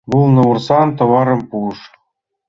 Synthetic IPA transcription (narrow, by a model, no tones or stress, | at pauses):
βulnɤ̆ursɑnt̪ɤ̆βɑɾɤ̆mpuʃ